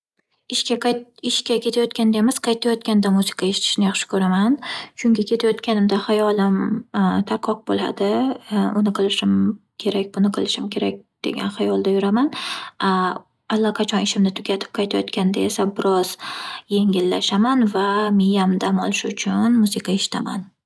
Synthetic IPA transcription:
ɪʃkʲaɪʃkʲakʲe̞t̪ʰajɒt̪kʲand̪aemɪz̥qʰɑjt̪ʰajɒt̪kʲand̪amusɪ̥qʰɑe̞ʃɪ̥t̪ʰɪ̥ʃɪnɪjɑχʃɪ̥kʰɵɾamant͡ʃʰʊŋkʲɪkʲe̞t̪ʰajɒt̪kʲanɪmd̪ahajɒlɪmt̪ʰaɾqʰɒq̚bola̰d̪ɪʊnɪqʰɨlˠɪʃɪmkʲʰe̞ɾakʲbʊnɪqʰɨlˠɪʃɪmkʲʰe̞ɾakʲd̪̥e̞̰ɡʲa̰nχajɒlˠd̪ajʊɾamana | alˠːaqʰɑt͡ʃʰɒnɪʃɪmnɪt̪ʰʊɡʲat̪ʰɪ̥p̚qʰɑjt̪ʰajɒ̰t̪kʲanɪd̪ae̞sabɪɾɒz̥je̞ŋʲɪlːaʃamanvamɪjamd̪amɒ̰lˠɪʃʊt͡ʃʰʊnmusɪqʰɑe̞ʃɪ̥t̪ʰama̰n

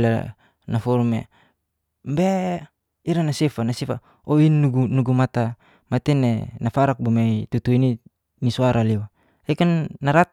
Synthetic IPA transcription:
la̰ | nafɔɾumḛ | mbe | iɾanasefanasifa̰ | oinːuɡunuɡumat̪a | mat̪inḛnafaɾak̚bomait̪ut̪uini | nisuaɾʔaliwa | ekanːaɾat̪̚

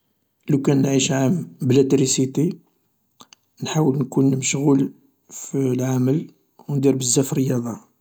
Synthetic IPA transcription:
læwkænʕiʃʕamblæt̪ɾisit̪e | nħawəlnkunməʃɣul | filʕaməl | wnd̪iɾbəzːæfəɾəjɑd̪ˤɑ

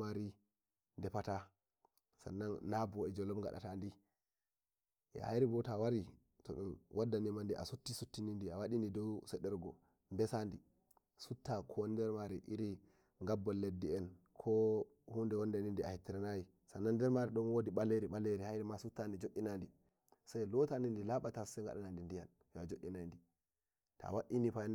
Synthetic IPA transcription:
aɾi | ndɛpata | sa̰nːanːabɔɛd͡ʒɔlɔbŋɡa̰ɗa̰tandi | ɛ̰ha̰jɾibɔtawaɾi | tɔ̰ɗumwʔadːanimandiʔa̰sutːisutːinindiawaɗinidɔwsɛɗɛɾɡɔ | mbɛsandi | sutːakʰɔndɛɾmaɾiʔiɾi | ŋɡabːɔlːedːiɛnkʰɔ | hundɛwɔndanindia̰hitːiɾanaji | sanandɛɾmaɾiɗɔnwodiɓaleɾiɓaleɾihajɾimasutːandid͡ʒoʔːinandi | sajlɔtanindilaɓatasaŋɡa̰ɗanandindijal | jɔad͡ʒoʔːinandi | ta̰waʔinipajn

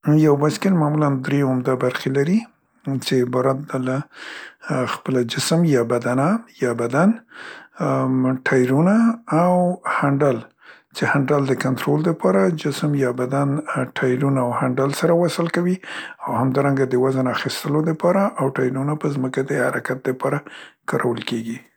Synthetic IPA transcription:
jawbaskɪlmamuland̪ɾeamd̪ɑbaɾxelaɾi | t͡ʃebɑɾat̪d̪ala | xpəlad͡ʒɪsəmjɑbad̪anajɑbad̪an | ʈʰɑjɾunaːwhaɳɖal | t͡ʃehaɳɖald̪əkant̪ɾold̪əpɑɾad͡ʒɪsəmjɑbad̪anʈʰɑjɾunaawhaɳɖalsaɾawasəlkawiawhamd̪ɑɾaŋɡad̪əwazanaxist̪əlod̪əpɑɾaʔawʈɑjɾunapəzməkad̪əhaɾakat̪̚d̪əpɑɾakɑɾʔawəlkeɡi

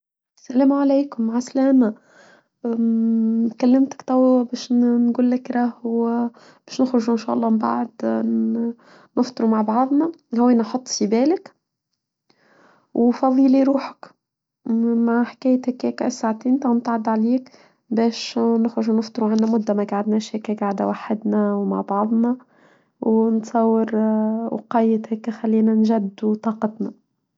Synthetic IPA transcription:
sælæːmʕalæjkʊmːaʕaslæːmæ | kælːɪmt̪ɪ̥kt̪ˤɑwːbæːʃnɡuːlːɪkɾˤɑːw | b̥ɛːʃnɪxɾʊʒuʔɪnʃæ̰ːʔɑlˤːɑːmba̰ʕd̪ | nəft̪ˤɨɾumaʕbɑʕðˤnæhʊwːæːnæħɑt̪ˤːfibæːlɪk | wfɑðˤiːliɾuːħə̥k | maʕħkæːjt̪hækːækʔsːaʕt̪iːnt̪ɑnt̪ʕɑd̪ʕaliːk | bɛːʃnəxɾʊʒunəft̪ˤɾuʕanːæmʊd̪ːæmæɡaʕad̪næːʃhækæɡaʕd̪æwaħːɪd̪næwma̰ʕbɑʕðˤnɑ | wnt̪sˤɑwːɪɾwqɑjːəd̪hækxælːiːnænʒæd̪ːut̪ˤɑːqɑt̪næ

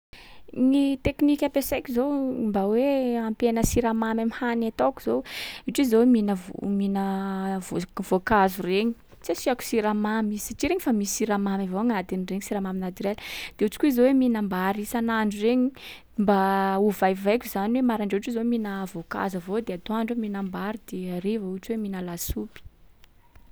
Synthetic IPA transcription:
nit̪eknikʲapesajkʲizombaweampenəsiɾamamamihanat̪oku̥z̥owiʈ͡ʂizoweminəvo̰minəvovokazureɲi̥ | t͡sisiaku̥siɾamamizi̥saʈ͡ʂiɾeɲifamisiɾamamavoaŋad̪anireɲisiɾamaminat̪yɾeld̪̥eut͡si̥kʲuizoweminambaɾisanaɳɖ͡ʐureɲi | mbauvajvajkʲuzaniwemaɾaɳɖ͡ʐeuʈ͡ʂizoweminəvoka̰zavod̪eat̪oaɳɖ͡ʐeminambaɾid̪eaɾevauʈ͡ʂweminəlasupi̥

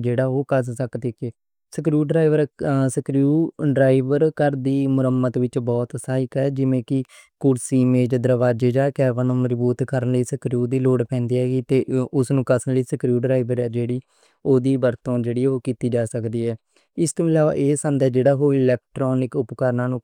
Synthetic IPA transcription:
d͡ʒeːɽaːoːkəssəkd̪eːkeː | səkɾuːɖɾaːiʋəɾsəkɾjuːɖɾaːɪʋəɾkəɾd̪iːmʊɾəmːət̪ʋɪt͡ʃbɔːt̪saːɪkɛːd͡ʒɪʋẽːkɪ | kʊɽsiːmeːd͡ʒd̪əɾʋaːd͡ʒeːd͡ʒaːkɛːʋənõːməd͡ʒbuːt̪kəɾənləiːsəkɾjuːd̪iːloːɽpʰɛ̃ːnd̪iːɦɛːɡiːt̪eːʊsnũːkəsənləiːsəkɾjuːɖɾaːɪʋəɾɛːd͡ʒeːɽiː | oːd̪iːbəɾt̪õːd͡ʒeːɽiːɛːoːkiːt̪iːd͡ʒaːsəkd̪iːɦɛː | ɪst̪õːɪlaːʋa̰ːʔeːsə̃nd̪ɛːd͡ʒeːɽaːɦoːɪlɛːk̚ʈɾɔːnɪkʊpkəɾnãːnũː

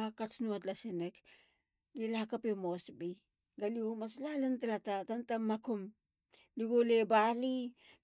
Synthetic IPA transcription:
katnuat̬lasenek | lilakapemosbi | ɡaliomaslalentalatatantamakum | liɡolebali

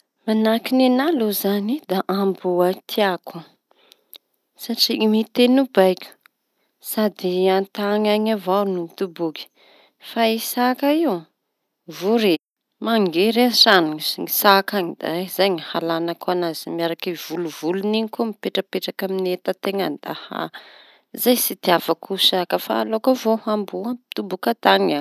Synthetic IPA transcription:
manakinenalozanid̪aʔambuat̪ʰiakʰu | saʈ͡ʂimit̪enubajkʲu̥ | sad̪iant̪aŋaɲavawnut̪ubuki̥ | faisakaiw | vuɾi | maŋɡeɾesanuŋisŋisakaŋid̪̥a̰azajŋihalanakanazimiaɾakiv̥uluvuluniɲikomipeʈ͡ʂəpeʈ͡ʂakaminet̪at̪eŋand̪a̰ha̰ | zajsid̪̥iavakʰusakəfa̰lokəvohambuat̪ubukat̪aŋa

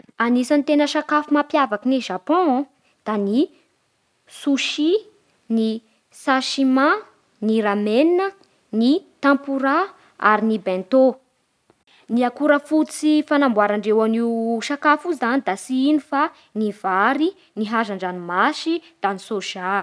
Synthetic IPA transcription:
anisanit̪enəʃakafumapjavakiniʒapɔ̃ | d̪̥ani | suʃi | ni | saʃima | niɾameninə | nit̪ãmpuɾa | a̰ɾinibɛ̃nt̪o | niakuɾəfut͡sifanambwaɾaɳɖ͡ʐewaniwʃakafuizanid̪asiinifa | nivaɾi | niɦaʒaɳɖ͡ʐanimaʃid̪̥anisoʃa

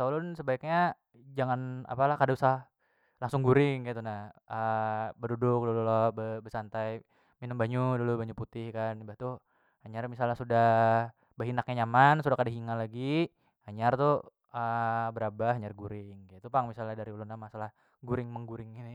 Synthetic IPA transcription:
ulʊnsəbaik̚ɲa | d͡ʒaŋana̰palahkadausa | laŋsʊŋɡuɾɪŋkajt̪unahəbədudʊk̚dululɔbəbəsant̪aj | minəmbaɲudulubaɲuput̪ɪhkanibaht̪u | haɲarmisalɲasudah | bəɦinak̚ɲaɲamansudahkadaɦiŋalaɡi | haɲart̪u | əbəɾabaɦaɲarɡuɾɪŋkat̪upaŋmisalɲahdaɾiulʊnamasalah | ɡuɾɪŋməŋɡuɾɪŋɡinɪ

